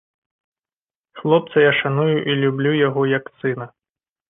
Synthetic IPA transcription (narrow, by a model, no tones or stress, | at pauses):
xlˠɔp̚t̪sɐjaʂanujuʔilʲublʲujaɣɔjɐksɨnɐ